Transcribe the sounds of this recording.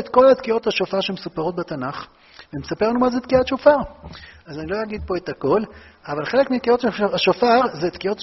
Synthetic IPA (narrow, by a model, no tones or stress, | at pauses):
et̪ko̞lat̪kio̞t̪haʃofaʁʃemesupaʁo̞t̪̚bet̪anaχ | veemesape̞ʁanumazet̪kiatʃofaʁazanilo̞jaɡid̪̚po̞etako̞lavalχe̞le̞kmit̪̚kio̞taʃofaʁzet̪kio̞t